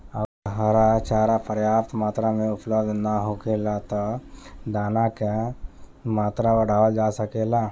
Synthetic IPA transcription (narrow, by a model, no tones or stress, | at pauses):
əɡəɾɦaɾat͡ʃaːɾapʰəɾjaːpt̪maːt̪ɾamẽʊpʰlɔd̪ʱnaɦokeːlat̪ɔd̪aːnaka | maːt̪ɾaʋəɽʱaːəd͡ʒaːsəkela